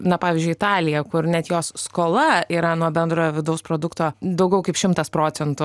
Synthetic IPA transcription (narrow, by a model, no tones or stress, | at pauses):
nɐpɑːʋʲɪːzʲd͡ʒʲʊɪt̪ɑːlʲɪjɛkʊrnʲɛt̪joːsskoːlˠɐiːɾɐnuɔbʲɛnd̪ɾoːjoːʋʲɪd̪ɐʊspɾoːd̪ʊkt̪oːd̪ɐʊɡʲɛʊkɐɪpʃʲɪmt̪ɐspɾoːt͡s̪ʲɛnt̪ʊ